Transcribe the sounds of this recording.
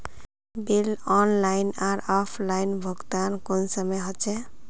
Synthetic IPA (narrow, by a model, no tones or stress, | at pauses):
bilɔnlajnaɾɔpʰlainbʱɔɡt̪ankonsʌmeɦɔt͡ʃʰe